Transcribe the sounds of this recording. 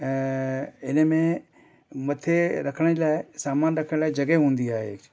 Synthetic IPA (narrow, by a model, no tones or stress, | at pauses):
ɪnəmẽ | mɐt̪ʰeɾɐkʰəɽ̃laːɪsaːmaːnɾɐkʰəɽ̃laːɪd͡ʑɐɡeɦũːn̆d̪iaːɦḛː